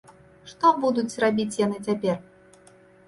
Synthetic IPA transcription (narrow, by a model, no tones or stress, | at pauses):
ʂt̪ɔbud̪ut͡sʲrabʲit͡sʲjanɨt͡sʲapʲɛr